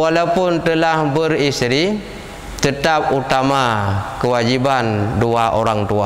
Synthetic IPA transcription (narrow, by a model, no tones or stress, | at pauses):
walawpʊnt̪əlahbərist̪ɾi | t̪ət̪ap̚ut̪amakəwad͡ʒibanduaʔoɾaŋt̪ua